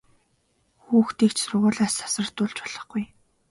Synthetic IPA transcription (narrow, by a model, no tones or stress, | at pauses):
xuːxt̪iːkt͡ɕsʊrʁʊːɮaːsḁsə̆r̥t̪ʊɮt͡ɕpɔɮ̥ɞ̆χɡuj